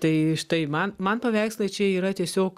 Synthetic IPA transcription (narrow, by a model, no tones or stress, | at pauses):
t̪ɐɪʃt̪ɐɪmɐnmɐnpɐʋʲæˑɪkslˠɐɪt͡ʃʲɛːiːɾɐt̪ʲiɛsʲoːk